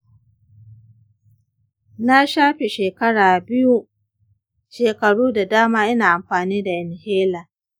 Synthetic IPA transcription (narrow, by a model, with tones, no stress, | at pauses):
na˦ʃaː˦ɸe˨ʃeː˨kɐ˦ɽaː˨bɪ˦ju˦ | ʃeː˨kɐ˨ɽuː˦da˨daː˦maː˦ʔɪ˦naː˨ʔa˨mɸaː˨niː˦da˨ʔɪ˨nheː˦laː˨